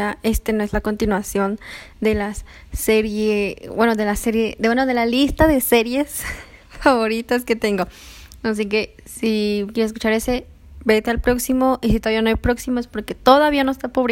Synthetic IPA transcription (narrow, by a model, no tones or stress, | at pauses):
ae̞st̪eno̞e̞zlako̞nt̪inwasjo̞n | d̪e̞las | seɾjebwe̞no̞ðe̞laseɾje̞ðwenoðe̞lalist̪aðe̞se̞ɾje̞s | faβo̞ɾit̪aske̞t̪e̞ŋɡo̞as̬ike̞ | sikjeɾeseskut͡ʃaɾe̞se̞ | be̞t̪ealpɾo̞ksimo̞ʔis̬it̪oaβiano̞ajpɾo̞ksimoespo̞ɾke̞t̪o̞ðaβiano̞est̪apoβɾi